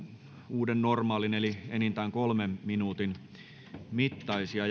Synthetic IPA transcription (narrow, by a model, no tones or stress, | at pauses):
uːdennormɑːlinelienint̪æːŋkolmemminuːt̪in | mit̪ːɑisiɑ